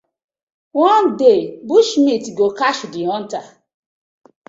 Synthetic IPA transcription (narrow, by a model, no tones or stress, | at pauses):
wɔ̃ndebuʃmitɡokaʃdiɔ̃nta